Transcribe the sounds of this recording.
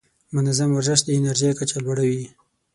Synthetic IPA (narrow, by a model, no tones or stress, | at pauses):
mʊnazamwaɾzəʃ̬d̪əɪnaɾʒijkat͡ʃalwaɽawi